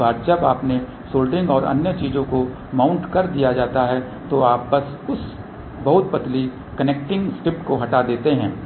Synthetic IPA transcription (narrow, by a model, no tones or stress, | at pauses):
aːɾd͡ʒɐbaːpne | soːlɖɪ̃ŋɡɔːɾɐ̰njət͡ʃiːzõko | maːʊ̃ɳʈkɐɾd̪ijad͡ʒaːt̪aɦɛ | t̪oaːp̚bɐsʊs | bɐɦʊt̪̚pɐt̪li | kɐneːk̚ʈɪ̃ŋɡsʈɪpʈkoɦɐʈad̪eːt̪eɦɛ̃ː